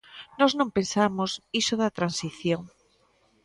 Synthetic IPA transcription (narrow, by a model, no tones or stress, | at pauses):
nɔznõmpensamosisoðɐt̪ɾansiθjoŋ